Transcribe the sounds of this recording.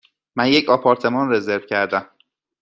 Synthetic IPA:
mænjecʰɒːpʰɒːɾt̪ʰe̞mɒːnre̞zeɾvcʰæɾd̪æm

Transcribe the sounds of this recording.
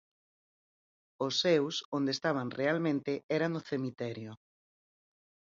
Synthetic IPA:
ʊsːewsond̪est̪aβ̞anrealmẽnt̪ɪɛɾanʊθemit̪ɛɾjʊ

